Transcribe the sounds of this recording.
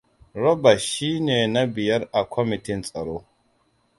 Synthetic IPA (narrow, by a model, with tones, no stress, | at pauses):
ɾo˦ba˨ʃi˦ne˨na˦bi˨ja˦ɾa˨kʰʷo˦mi˨ti˦nt͡sʼɐ˨ɾo˦